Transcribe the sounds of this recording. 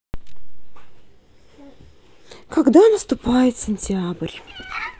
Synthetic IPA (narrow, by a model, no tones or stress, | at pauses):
kɐɡd̪anəst̪ʊpajɪt̪sʲɪnʲtʲabrʲ